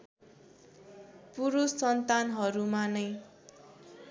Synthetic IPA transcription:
puɾussʌnt̪anɦʌɾumanʌj

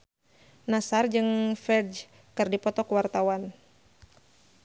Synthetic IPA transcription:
nasard͡ʒɨŋfɛd͡ʒ | kɨrdipɔt̪ɔkəwart̪awan

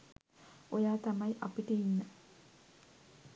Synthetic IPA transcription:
ojaːt̪ɐmɐjʔɐpiʈəinːə

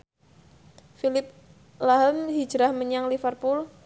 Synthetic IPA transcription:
filɪp̚ | laɦəmɦi̥d͡ʒɾahməɲaŋlifərpul

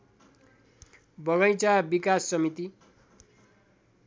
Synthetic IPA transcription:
bʌɡʌjt͡sabikasːʌmit̪i

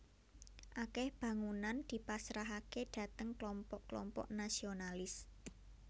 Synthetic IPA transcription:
ʔakɛhb̥ä̤ŋunand̪̥i̤pasɾaɦakeɖ̥ä̤t̪əŋklɔmpɔʔklɔ̰mpɔ̰ʔnasionalɪs

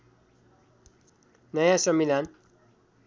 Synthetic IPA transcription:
nʌjãsʌmilan

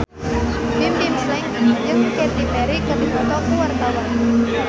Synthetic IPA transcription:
t̪imt̪imslɪŋd͡ʒɨŋket̪ipɛɾikadipɔt̪ɔkuwart̪awan

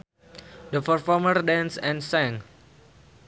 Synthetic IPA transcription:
dəfərfɔmərdɛ̃nsɛ̃nsɛ̃ŋ

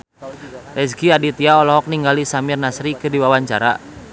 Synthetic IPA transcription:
rɛsɡiadit̪iaɔlɔɦɔk̚niŋɡalisamirnasɾikɨrdiwawaɲt͡ʃa̰ɾa̰

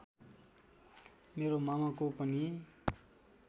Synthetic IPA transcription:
meɾomamakopʌni

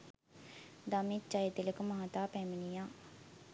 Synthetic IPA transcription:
d̪amit͡ʃːajət̪eləkumaɦat̪aːpɛminijaː

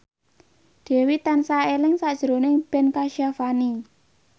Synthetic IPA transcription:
d̪̥ɛ̤wit̪ansaelɪŋsaʔd̥ʒ̥əɾonɪb̥ɛnkaʃiafani

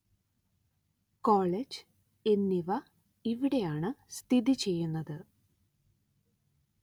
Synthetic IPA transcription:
koːɭed͡ʑ | e̞nːiʋɐ | iʋiɽe̞jaːɳɨst̪ʰiðit͡ɕe̞jːunːɐðɨ

